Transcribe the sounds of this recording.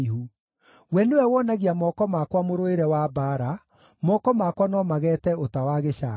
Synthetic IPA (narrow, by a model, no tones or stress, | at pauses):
ihu | wɛnewɛwɔnaɣiamɔkɔmakwamoɾoeɾɛwabaɾa | mɔkɔmakwanɔmaɣɛtɛotawaɣeɕa